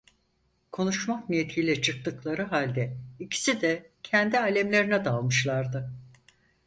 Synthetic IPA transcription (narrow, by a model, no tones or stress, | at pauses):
kʰo̞nuʃmaknijet̪ʰijlʲɛt͡ʃʰɯk̚t̪ɯklˠaɾɯɦalʲd̪ɛicʰi̥sid̪ɛcʰɛnd̪iaːlʲɛmlʲe̞ɾinɛd̪alˠmɯʃlˠaɾd̪ɯ